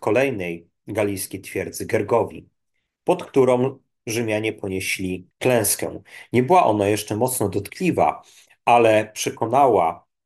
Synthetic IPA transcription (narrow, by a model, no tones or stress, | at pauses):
kɔlɛjnɛj | ɡalʲijskʲejt̪fʲjɛɾd̪zɘɡɛɾɡɔvʲḭ | pɔt̪kt̪uɾɔ̃w̃ | ʐɘmʲjaɲɛpɔɲeɕlʲiklɛ̃w̃skɛ̰̃w̃ɲɛbɘwaʔɔ̰n̪ajɛʂt͡ʂɛmɔt̪snɔd̪ɔt̪klʲiva̰ | alɛpʂɛkɔnawa